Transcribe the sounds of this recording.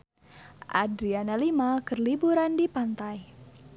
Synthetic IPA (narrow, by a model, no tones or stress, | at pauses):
ʔa̰dɾianalimakərlibuɾandipant̪aj